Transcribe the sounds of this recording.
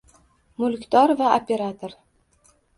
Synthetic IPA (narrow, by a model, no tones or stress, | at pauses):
mʊlkʲt̪ʰɒɾvaopʰʲe̞ɾat̪ʰoɾ